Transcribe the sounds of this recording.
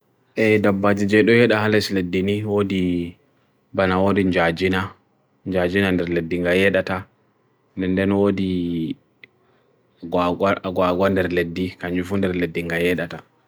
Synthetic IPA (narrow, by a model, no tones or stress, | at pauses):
ʔɛdabːad͡ʒid͡ʒɛɗɔjɛɗahalɛsledːiniwodi | banawodiɲd͡ʒad͡ʒina | ɲd͡ʒad͡ʒinandɛɾledːiŋɡajɛɗata | ndɛndɛnwodi | ɡwaɡwandɛɾledːikaɲd͡ʒufundɛɾledːiŋɡajɛɗata